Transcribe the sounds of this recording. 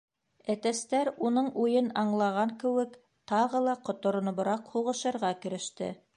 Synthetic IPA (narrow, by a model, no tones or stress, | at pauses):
æt̪æst̪æɾunɤɴujɤnɑɴlˠɑʁɑŋkɘ̆wɘk | t̪ɑʁɤlˠɑqŏt̪ŏɾɤ̆n̆βɤ̆ɾɑqhuʁɤ̆ʃɤ̆ɾʁɑkɘ̆ɾɘ̆ʃt̪ɘ̰